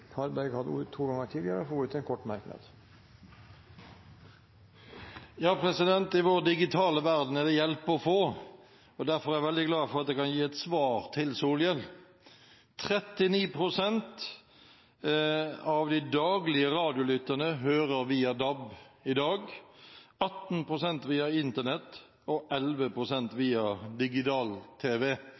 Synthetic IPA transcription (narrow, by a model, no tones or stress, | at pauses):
hɑɾbæɾɡhɑd̪ːət̪ʰuːɡɑŋəʈʰiːd̪ɪəɾəɔfoːʉt̪ʰːɛnkʰɔʈːmɑɾknɑ̰d̪̥ | jɑːpʰɾɛsɪd̪ɛnt̪ɪʋoːʁd̪ɪɡɪt̪ʰɑːləʋæʁd̪n̩ɛʁd̪ɛjɛlpːɔfoː | ɔd̪æʁfɔɾæɾʋɛld̪ɪɡlɑːfɔʁɑt̪̚d̪ɛːkʰɑnjiːɛt̪sʋɑːʁt̪ʰɪlsuːljəl | t̪ʰɾɛt̪ːɪniːpʰɾʊsɛnt̪ | ɑʋd̪ɪd̪ɑːɡlɪəɾɑːd̪ɪʊlʏt̪ːənəɦøːɾəɾʋiːɑd̪ɑbɪd̪ɑːɡ | ɑt̪npʁʊsɛnt̪ʋiːɑɪnt̪ənɛt̪ | ɔʔɛlʋəpʰɾʊsɛnt̪ʋiːɑd̪ɪɡɪt̪ɑːlt̪ʰeːʋɛ